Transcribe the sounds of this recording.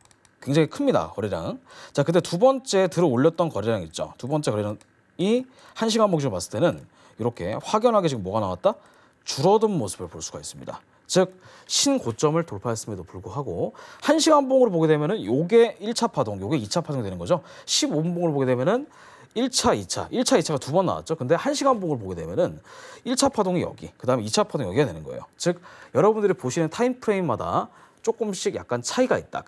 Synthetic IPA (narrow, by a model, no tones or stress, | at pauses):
kwe̞ŋd͡ʑaŋikʰɯmɲida̰kʌɾiɾa̰ŋt͡ɕakɯnde̞tubʌnt͡ɕ͈e̞tɯɾʌoʎːʌt̚t͈ʌnkʌɾiɾaŋit̚t͡ɕ͈o̰tubʌnt͡ɕ͈e̞kʌɾiɾa | i | hanɕ̬ʰiɡanboŋid͡ʑmas͈ɯ̥t͈enɯn | iɾʌkʰe̞̰ɸwaɡjʌnɦaɡeiɡɯmːwʌɡanawat̚t͈a | t͡ɕuɾʌdɯnmosʰɯbɯɭpoɭs͈uɡais͈ɯmɲḭda̰ | t͡ɕɯk̚ | ɕʰinkot͡ɕ͈ʌmɯɭtoɭpʰeas͈ɯmedopuɭɡoɦaɡohanɕʰiɡanboŋɯɾop̬oɡe̞dwe̞mjʌnɯnjoɡe̞iɭt͡ɕʰapʰadoŋjoɡe̞it͡ɕʰapʰadoŋidwe̞nɯnɡʌd͡ʑo | ɕʰibonboŋɯɭopoɡedwe̞mjʌnɯn | iɭt͡ɕʰait͡ɕʰa̰ʔiɭt͡ɕʰait͡ɕʰaɡatubʌnːa̰wa̰t̚t͡ɕ͈okɯnde̞hanɕʰiɡanboŋɯɾop̬oɡe̞dwe̞mjʌnɯniɭt͡ɕʰapʰadoŋijʌ̰ɡḭkɯdaɯmeit͡ɕʰapʰadoŋjʌɡiɡanwe̞̰nɯnɡʌḛjo̰t͡ɕɯk̚jʌɾʌbundɯɾipoɕʰinɯntʰaimpʰɯɾe̞inmada̰ | t͡ɕ͈ok͈ɯmɕ͈ʰiɡja̰k̚k͈ant͡ɕʰaiɡait̚t͈a̰